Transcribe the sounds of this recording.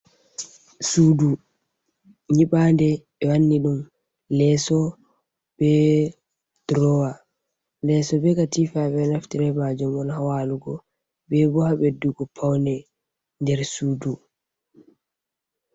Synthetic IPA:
sudu | ɲiɓandɛ | ɛwanːiɗum | lɛsɔ | b̥ɛ | d̥ɾɔwa | lɛsɔbɛkatifaɓɛnaftiɾɛmad͡ʒɔmɔnhawaluɡɔ | bɛbɔhabɛduɡɔpʰawnɛ | ndɛɾsuːdu

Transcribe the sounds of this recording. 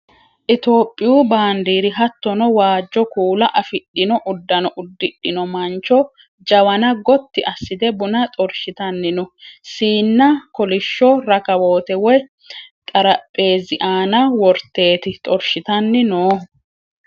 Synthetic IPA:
ʔɪt̪o̞ːpʼːɪjuːbaːnd̪iːɾɪɦɐt̪ːɔnɔwaːd͡ʒːɔkuːlɐʔɐfɪɗːɪnɔʔʊd̪ːɐnɔʔʊd̪ːɪɗːɪnɔmɐnt͡ʃɔ | d͡ʒɐwɐnɐɡɔt̪ːɪʔɐsːɪd̪ɛbʊnɐt̪ʼɔɾʃɪt̪ɐnːɪnɔsiːnːɐkɔlɪʃːɔɾɐkɐwo̞ːt̪ɛwɔj | t̪ʼɐɾɐpʼːe̞ːzɪʔaːnɐwɔɾt̪e̞ːt̪ɪt̪ʼɔɾʃɪt̪ɐnːɪnoː

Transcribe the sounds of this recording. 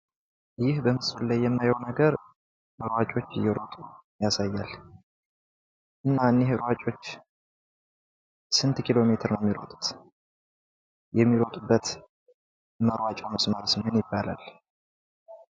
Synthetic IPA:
jɪhbəmɨsulajːɛmnajownəɡəɾ | məɾwat͡ʃʼo̞t͡ʃːɪjːɛɾot̪ʼu | jasajːal | ʔɨnːaɨnːeɦəɾwat͡ʃʼo̞t͡ʃː | sɨnt̪kʰilo̞me̞t̪ʰɨɾnəɛmːiɾo̰t̪ʼu̥t̪ | jɛmːiɾot̪ʼubːət̪ | məɾwat͡ʃʼawməsməɾsɨmenjɪbːala̰l

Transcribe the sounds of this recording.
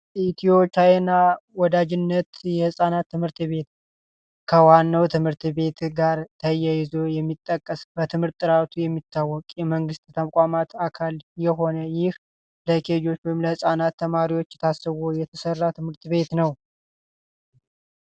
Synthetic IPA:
ʔit̪ʰio̞pjajɛnawɔd̪ad͡ʒɪnːət̪jɛhɨsʼanat̪ːɨmhɨɾt̪βe̞t̪ | kʰəwanːəwt̪ʰɨmhɨɾt̪βe̞t̪ɡaɾt̪ʰəjajɪzo̞jɛmːit̪ʼːəkʼːəsbət̪ʰɨmɨɾt̪ʼːɨɾat̪ʰujɛmːit̪ʰːawːɔkʼjɛməŋɡɨst̪t̪ʰəmkʷʼamat̪akʰaljɛɦo̞nəjɪh | ləkʰed͡ʒo̞t͡ʃːwɪmləhɨsʼanat̪ːəmaɾiwo̞t͡ʃːɛt̪ʰasːəβojɛt̪ʰəsərːat̪ʰɨmhɨɾt̪βe̞t̪nəw

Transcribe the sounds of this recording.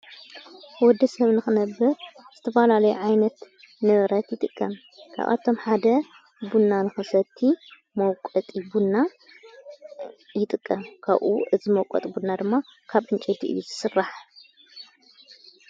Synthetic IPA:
wɔd̪ːɐsɐβnɨxɨnɐbːɐɾz̥ɨt̪ʰɐfɐlalɐjuʕajnɐt̪ | nɐβɐɾat̪jɪt̪ʼɨkʼːɐm | kʰa̰βʔa̰t̪ʰo̞mħad̪ɐ | bunːanɨxɨsɐt̪ʰːi | mɐwkʼɐt̪ʼibunːa | jɪt̪ʼɨkʼːɐmkʰa̰βʔṵʔɨzimɐwkʷʼɔ̰t̪ʼbunnːad̪ɨmːakʰaβʔɨnt͡ʃʼɐjt̪ʰiʔɨ̰jːuzɨsɨrːaħ

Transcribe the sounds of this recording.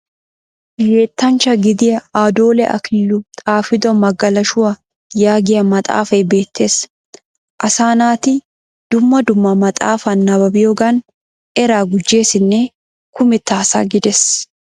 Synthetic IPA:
jeːt̪ːɐnt͡ʃɐɡɪd̪ɪjɐaːd̪oːlɛʔɐ̰kɪlːʊt̪ʼaːfɪd̪ɔmɐɡɐlɐʃʊwɐ | jaːɡɪjɐmɐt̪ʼa̰ːfɐjbe̞ːt̪ʰːe̞ːs | ʔɐsaːnaːt̪ɪ | d̪̥ʊmːɐd̪ʊmːɐmɐt̪ʼa̰ːfɐnːɐbɐbɪjoɡɐn | ɛɾaːɡʊd͡ʒːe̞ːsɪnːɛ | kʊmɪt̪ːaːsa̰ɡɪd̪ɛs

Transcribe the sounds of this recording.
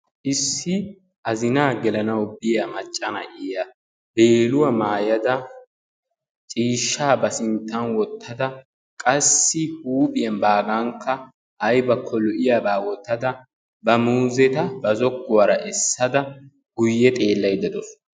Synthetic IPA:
ʔɪsːɪ | ʔɐzɪnaːɡɛlɐnɐwbɪjɐmɐt͡ʃʼːɐnɐ̰ʔɪjɐ | b̥e̞ːlʊwɐmaːjɐd̪ɐ | t͡ʃʼiːʃːaːbɐsɪnt̪ːɐnwɔt̪ʰːɐd̪ɐ | kʼɐsːɪhuːpʼɪjɐnbaːɡɐŋkːɐ | ʔːjbɐkʰːɔlɔʔɪjabaːwɔt̪ːɐd̪ɐ | bɐmuːzɛt̪ɐbɐzɔkːʊwɐɾɐʔɛsːɐd̪ɐ | ɡ̥ʊjːɛt̪ʼeːlːɐjd̪ɐd̪ɔs

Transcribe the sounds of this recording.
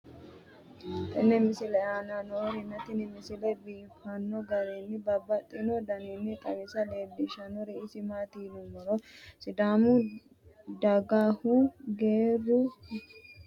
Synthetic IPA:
t̪ʼɐnːɛmɪsɪlɛaːnanoɾɪnːɐt̪ɪnɪmɪsɪlɛbiːfɐnːɔɡɐɾenːɪbɐbːɐt̪ʼːɪnɔd̪ɐnenːɪt̪ʼɐwɪsɐleːbːɪʃɐnɔɾɪɪsɪmat̪iːlʊmɔɾɔsɪd̪aːmʊ | d̪ɐɡaːhuɡeːrːʊ

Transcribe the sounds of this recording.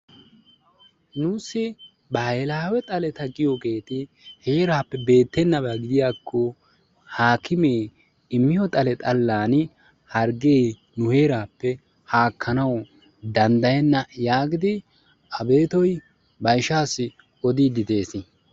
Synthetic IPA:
nuːsːɪ | bɐelaːwɛt̪ʼɐlɛt̪ɐɡɪjoɡe̞ːt̪ɪ | heːɾaːpːɛbe̞ːt̪ːɛnːɐbaɡɪd̪ɪjaːkʰːɔ | haːkɪmeː | ɪmːɪjɔt̪ʼɐlɛt̪ʼɐlːaːn | hɐɾɡeː | nʊhe̞ːɾaːpːɛ | haːkʰːɐnɐw | d̪ɐnd̪ɐjɛnːɐjaːɡɪd̪ɪ | ʔɐbe̞ːt̪ɔj | bɐjʃaːsːɪ | ɔd̪iːd̪ɪd̪e̞ːsɪ

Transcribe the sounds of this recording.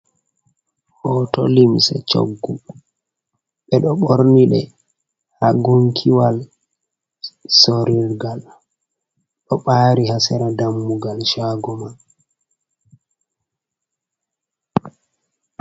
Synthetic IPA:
hɔtɔ̰limsɛ̰t͡ʃo̰ɡːu | ɓɛɗɔɓoɾniɗɛ | haɡoŋkʰiwal | soɾiɾɡal | ɗɔɓaːɾihasɛɾadamːuɡalʃaɡɔman

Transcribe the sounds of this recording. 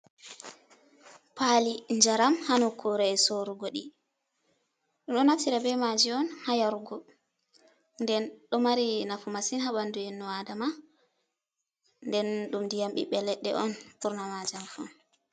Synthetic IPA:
paliɲd͡ʒaɾamhanɔkʰuɾɛɛsoɾuɡɔɗi | ɗumɗɔnaftiɾabɛmad͡ʒiɔnhajaɾuɡɔ | ndɛnɗɔmaɾinafumasinhaɓanduɛnːɔwadama | ndɛnɗumdijamɓḭɓɛlɛɗːɛ̰ʔɔnɓuɾnamad͡ʒamfɔn

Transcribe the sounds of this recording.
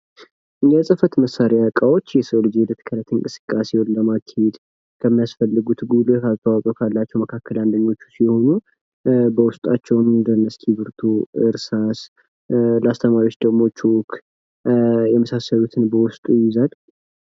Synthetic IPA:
jɛsʼɨfət̪məsːaɾeakʼawo̞t͡ʃːjɛsld͡ʒilət̪ʰɨ̥kʰəɾət̪ʰɨŋkʼɨsɨ̥kʼːasehonləmak̪ʰːhed̪ | kʰəmːijasfəlːɨɡut̪ɡulukast̪ʼʰawakʼowkʰalːat͡ʃːɛwməkʰakːəland̪əɲːo̞t͡ʃːu̥siho̞nu | bəwʊst̪ʼat͡ʃːɛwnnd̪ənːəsk̪ʰibɨɾt̪ʰuɨ̰ɾsas | ləast̪ʰəmaɾiwot͡ʃːd̪əɡmo̞t͡ʃːuwkʰ | jɛməsasːəlut̪ʰɨnbəwʊst̪ʼujjɪzal

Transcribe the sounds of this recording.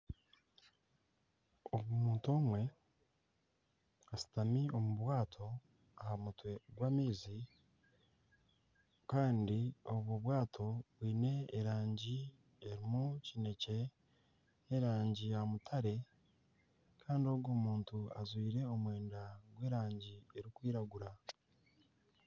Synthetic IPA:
oɡumuːnto̞ːmwe̞ | asi̥tamio̞muβwaːtʰo̞ | ahamutwe̞ɡwaːmiːzi | kaːndio̞βwoβwaːtʰo̞βwiːne̞ːɾaːɲɟi | eɾimucine̞ce̞ | ne̞ɾaːɲɟijamutʰaɾe̞ | kʰaːndio̞ːɡo̞ːmuːntua̰zwiːɾe̞o̞mwe̞ːndaɡwe̞ːɾaːɲɟie̞ɾikwiːɾaɡuɾa

